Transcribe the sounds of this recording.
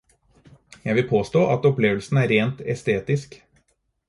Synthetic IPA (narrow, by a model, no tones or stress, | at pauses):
jæɪʋɪlpʰoːst̪oːʔɑt̪ɔpleːʋəlsn̩æːɾeːnt̪ɛst̪eːt̪ɪsk